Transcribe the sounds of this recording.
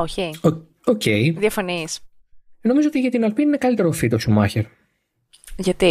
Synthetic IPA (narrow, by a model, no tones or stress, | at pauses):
oçei | oceiðjɐfɐnis | no̞mizoot̪iʝɐt̪inɐlpininekɐlit̪e̞ɾo̞fit̪o̞sumɐ̰çeɾ | ʝɐt̪i